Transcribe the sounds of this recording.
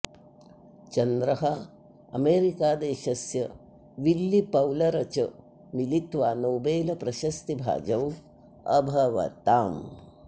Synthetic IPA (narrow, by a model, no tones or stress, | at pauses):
t͡ʃɐnd̪ɾɐɦɐ | ɐ̰meːɾikaːd̪eːʃɐsjɐ | ʋilːipɐwlɐɾɐt͡ʃɐ | milit̪ʋaːnoːbeːlɐpɾɐʃɐst̪ibʱa̰ːd͡ʒɐw | ɐbʱɐʋɐ̰t̪aːm